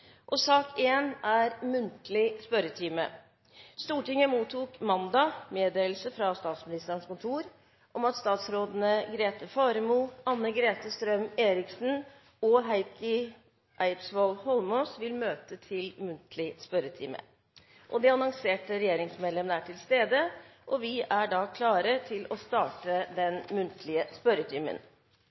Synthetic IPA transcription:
ʔɔsɑːkʰeːnæɾmʉnt̪lɪspœɾət̪ʰiːmə̰ | st̪uːʈɪŋːəmuːt̪ʰːuːkmɑnd̪ɑmeːd̪eːlsəfɾɑst̪ɑːt̪smɪnɪst̪əəɳʂkʊnt̪ʰuːɾ | ʔɔmɑt̪st̪ɑːt̪sɾoːd̪ən̩əɡɾeːt̪əfɑːɾəmuːɑnːəɡɾeːt̪əst̪ɾœmeːɾɪksn̩ | ɔɦæɪkɪ | ʔæɪpsʋolhɔlmoːsʋɪlmøːt̪ət̪ʰɪlmʉnt̪ʰlɪspœɾət̪ʰɪ̰ːmə̰ | ʔɔd̪ɛɑnɔŋseːʈəɾɛjeːɾɪŋsmeːd̪lɛmənəæʈʰɪlst̪eːd̪əʔɔʋɪæɖɑkʰlɑːɾət̪ʰɪlɔst̪ɑːʈəd̪ɛnmʉnt̪ʰlɪəspœɾət̪ʰiːmə̰n

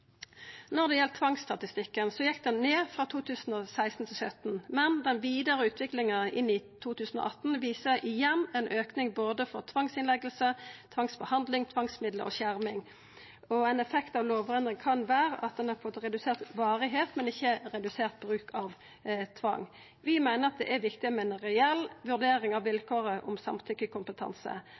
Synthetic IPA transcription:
nɔʁd̪ɛjɛlt̪t̪ʰʋɑŋsst̪ɑt̪ɪst̪ɪkːənsɔjɛkːd̪ɛnːeːfʁɑːt̪ʰuːt̪ʰʉːsn̩ɔsæɪst̪n̩t̪ʰɪlsœt̪nmɛnd̪ɛnʋiːd̪əʁəʉːt̪ʰʋɪklɪŋəɪnɪt̪ʰuːt̪ʉːsn̩ɔ̰ʔɑt̪ːn̩ʋiːsəʔɪjɛnːɛnʔøːknɪŋboːd̪əfɔʁt̪ʰʋɑŋsɪnlɛɡəlsət̪ʰʋɑŋsbəhɑnd̪lɪŋt̪ʰʋɑŋsmɪd̪lə̰ʔɔ̰ɕæʁmɪŋ | ɔɛɪnɛfɛkt̪ɑʋloːʋfɔʁɛnd̪ʁɪŋkʰɑnʋæːɾə̰ʔɑt̪̚d̪ɛnhɑfɔt̪ʁɛd̪ʉseːʁt̪ʋɑːɾɪɦeːt̪mɛnɪçːəɾɛd̪ʉseːʁt̪̚bɾʉːkʰɑʋ | t̪ʰʋɑ̰ŋː | ʋɪmæɪnəʁɑt̪̚d̪ɛ̰ʔæʋɪkt̪ɪmɛnʁɛɛlʋʉʁd̪eːɾɪŋɑʋʋɪlkʰoːʁəʔɔ̰msɑ̰mt̪ʰʏkːəkʰʊmpət̪ʰɑ̰nsə̰

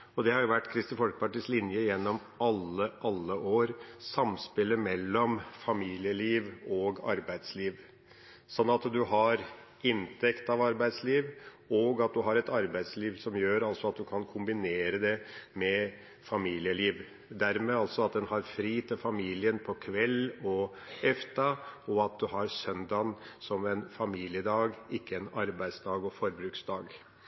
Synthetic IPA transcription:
ɔd̪ɛhɑɾjʊʋæʈːkʰɾɪst̪ɪnfɔlkə̥pɑʈɪslɪnjəjɛnːɔm | ɑlːəʔɑlːəʔoːɾsɑmspɪlːəmɛlːɔmfɑmiːlɪəliːʋɔɡɑ̰ɾbæɪd̪sliːʋ | sɔnːɑt̪d̪ʉɦɑɾ | ɪnt̪ʰɛkt̪ɑʋɑɾbæɪd̪sliːʋ | oɡɑt̪̚d̪ʉɦɑɾɛt̪ɑɾbæɪd̪sliːʋsɔmjøːɾɑlsɔɑt̪̚d̪ʉkʰɑnkʰʊmbɪneːɾəd̪ɛmɛ | fɑmiːlɪəliːʋ | d̪æɾmɛɑlt̪sɔɑt̪̚d̪ɛnhɑɾfɾiːt̪ʰɪlfɑmiːlɪənpʰɔkʰʋɛlːɔ | ɛft̪ɑɔɑt̪̚d̪ʉɦɑɾsœnd̪ɑnsɔmɛnfɑmiːlɪəd̪ɑːɡɪkːəɛnɑɾbæɪd̪sd̪ɑːɡɔfɔɾbɾʉksd̪ɑːɡ

